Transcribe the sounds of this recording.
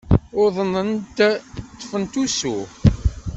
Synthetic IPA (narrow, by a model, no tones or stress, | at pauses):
ʊɾðˤənənt̪t̪ˤːfənt̪usu